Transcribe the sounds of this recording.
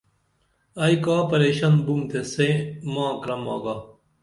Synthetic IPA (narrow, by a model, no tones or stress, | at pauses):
ɐjkaːpɐɾeːɕɐnbumt̪ʰesẽmãːkɾɐma̰ːɡaː